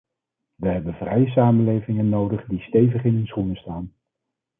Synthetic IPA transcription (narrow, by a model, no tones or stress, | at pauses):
ʋəɦɛbənvrɛjəs̬aːmənlejvɪŋənːowdəχdistejvəχɪnənsχunəstaːn